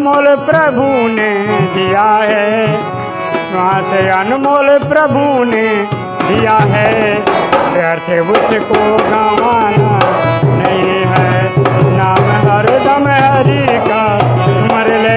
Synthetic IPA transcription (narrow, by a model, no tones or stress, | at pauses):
moːlpɾɐbʱuned̪ijaɦɛ | sʋãːt̪ejanmoːlpɾɐbʱune | d̪ijaɦɛ | paɾt̪ʰeʋʊt͡ʃkoɡaːʋaːnanɐɦĩɦɛ | naːmeɦɐɾd̪ɐmeɦɐɾika | mɐɾleː